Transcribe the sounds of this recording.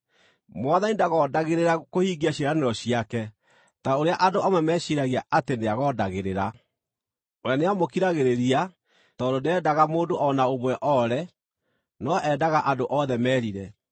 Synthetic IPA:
mwaðanidaɣɔːdaɣeɾeɾakohiːɡiaɕeɾaneɾɔɕiakɛ | taoɾeaʔadoamɛmɛːɕiɾaɣiaʔateneaɣɔːdaɣeɾeɾa | oɾeaneamokiɾaɣeɾeɾia | tɔdodeɛdaɣamoːdoʔɔnaoβwɛʔɔɾɛ | nɔʔɛdaɣaʔadoʔɔðɛmɛːɾiɾɛ

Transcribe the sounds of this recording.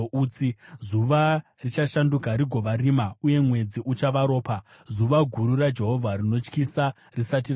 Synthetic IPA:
uːt͡sizuʋa | rit͡ʃaʃandukaɾiɡʱo̞ʋaɾimauje̞mwe̞d͡ziʔut͡ʃaʋaɾo̞ːpa | zuʋaɡʱuɾurad͡ʒe̞ɦo̞vʱarino̞t͡ʃkisa | risat̬ir

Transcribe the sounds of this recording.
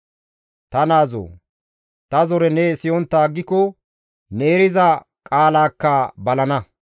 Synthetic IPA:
t̪ɐnaːzo̰ː | t̪ɐzɔɾɛnɛsɪjɔnt̪ːaːɡːɪkɔ | neːɾɪzɐ | kʼaːlaːkːɐbɐlɐnɐ

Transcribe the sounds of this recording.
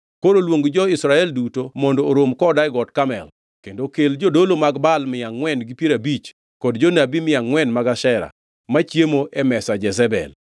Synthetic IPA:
koɾolwoŋɡd͡ʒɔɪsɾaɛldutomɔndoːɾomkɔdaɪɡɔtkamɛ̰l | kendokeld͡ʒodolomaɡbalmɪjaŋwɛnɡipjeɾabit͡ʃ | kɔdd͡ʒonabimɪjaŋːwɛnmaɡaʃɛɾa̰ | mat͡ʃjemoʔɛmɛsad͡ʒɛzɛbɛ̰l

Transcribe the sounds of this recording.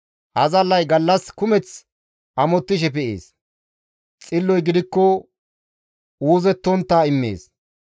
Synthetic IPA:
hɐzɐlːɐjɡɐlːɐskʊmɛt͡s | ʔɐmɔt̪ːɪʃ̬ɛpɛʔḛːs | t͡sʼɪlːɔjɡɪd̪ɪkːɔ | uːzɛt̪ːɔnt̪ːaɪmːḛːs

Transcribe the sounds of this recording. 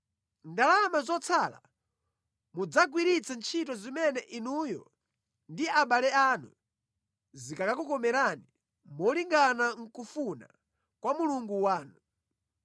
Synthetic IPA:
ndalamazɔt͡sʰaːla̰ | mud͡zaɡwiɾit͡sant͡ʃʰitɔzimɛnɛʔinujɔ̰ | ndiaɓalɛanṵ | zikakakukɔmɛɾani | mɔliŋɡanaŋ̩kufuna̰ | kwamuluŋɡuwaːnu

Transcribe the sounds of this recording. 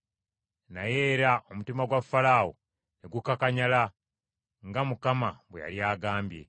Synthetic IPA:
naje̞ːɾaʔomutimaɡwafːalaːwo̰ | neɡukakaɲala | ŋɡamukamaβweja̰ljaːɡaːmbje̞̰

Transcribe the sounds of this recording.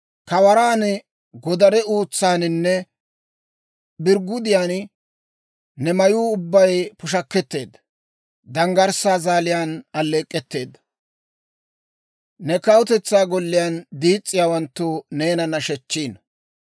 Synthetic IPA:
kɐwɐɾaːn | ɡɔd̪ɐɾɛuːt͡sːaːnɪnːɛ | bɪɾɡʊd̪ɪjaːn | nɛmɐjuːʊbːɐjpʊʃɐkːɛt̪ːe̞ːd̪ːɐ | d̪ɐŋɡɐɾsaːzaːlɪjaːnɐlːeːkʼːɛt̪ːe̞ːd̪ːɐ̥ | nɛkɐwʊt̪ɛt͡sːaːɡɔlːɪjaːnd̪iːt͡sʼːɪjaːwɐnt̪ːʊne̞ːnɐnːɐʃɛt͡ʃːiːn

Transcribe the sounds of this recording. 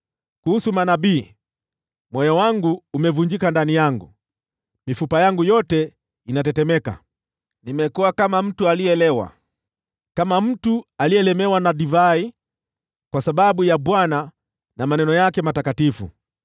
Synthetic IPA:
kuhusumanaɓiː | mwɔjɔwaŋɡuːmɛvuɲd͡ʒikandanijaŋɡṵ | mifupajaŋɡujɔtɛ | inatɛtɛmɛka̰ | nimɛkuwakamam̩tualiɛɛlɛwa̰ | kamam̩tualiɛlɛmɛwanaɗivai | kwasaɓaɓujaɓwana | namanɛnɔjakɛmatakatifṵ

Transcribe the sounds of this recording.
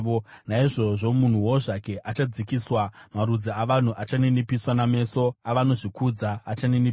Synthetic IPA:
onaiʐo̞ʐo̞mun̤uwo̞ʐake̞ʔat͡ʃad͡zikiswamaɾud͡ziaʋan̤uʔat͡ʃanenipiswaname̞ːso̞aʋano̞ʐikud͡zaːt͡ʃaneni

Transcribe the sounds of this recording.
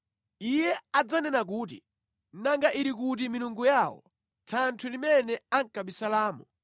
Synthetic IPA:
ijɛad͡zanɛnak̬uːtḭ | naŋɡaʔiɾik̬ut̬iminuŋɡujaːwɔ̰ | tʰantʰulimɛnɛaŋkaɓisalaːmu

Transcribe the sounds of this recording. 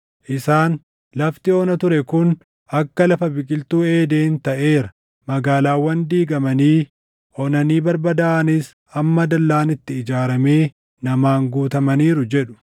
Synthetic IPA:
ʔɪsaːn | lɐft̪ɪoːnɐt̪ʊɾɛkʊn | ɐkːɐlɐfɐbɪkʼɪlt̪uːe̞ːd̪e̞ːnt̪ɐʔe̞ːɾɐ | mɐɡaːlaːwːɐnd̪iːɡɐmɐniː | ʔɔnɐniːbɐɾbɐd̪aːʔɐnɪs | ɐmːɐd̪ɐlːaːnɪt̪ːɪɪd͡ʒaːɾɐme̞ː | nɐmaːŋɡuːt̪ɐmɐniːɾʊd͡ʒɛᶑʊ̥

